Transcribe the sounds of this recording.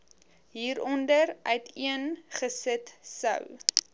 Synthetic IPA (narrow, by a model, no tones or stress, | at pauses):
ɦiːɾɔndərœɥtiənχəsətsə̰w